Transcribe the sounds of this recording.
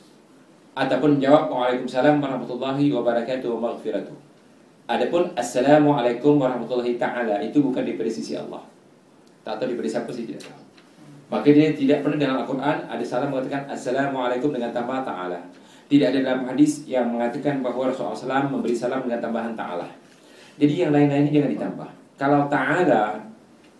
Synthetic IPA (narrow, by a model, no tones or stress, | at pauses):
ʔat̪apʊnd͡ʒawap̚waʕalakʊmsalamwaɾɑhmat̪ulːɑɦiwabaɾakat̪ʊhwamaɣfiɾat̪ʊh | ʔadapʊnasːalamuʕalajkʊmwaɾɑhmat̪ulːɑɦit̪aʕalaʔit̪ubukandipadasisiʔɑ̰lˠˤːɑ̰h | t̪at̪awdipədisapusiht̪ida̰ʔ | makadiat̪idaʔ̚pərnahdaŋaŋalkurʔana̰dasalaməŋat̪akanasːalamualakʊmdəŋant̪ambaht̪a̰a̰la | t̪idaʔadadalamhadɪsjaŋməŋat̪akanbaɦwaɾasulʔa̰salamːəmbəɾisalamdəŋant̪ambaɦant̪a̰ʔa̰la̰h | d͡ʒadijaŋlaɪnlainɲad͡ʒaŋandit̪amba̰h | kalawt̪aʔala